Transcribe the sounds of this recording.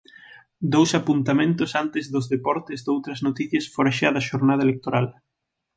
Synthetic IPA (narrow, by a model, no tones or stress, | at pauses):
d̪owsapunt̪amẽnt̪ʊsant̪ɪzðozðepɔɾt̪ezd̪owt̪ɾɐznot̪iθjɐsfoɾaʃaðɐʃoɾnað̞ɐelek̚t̪oɾal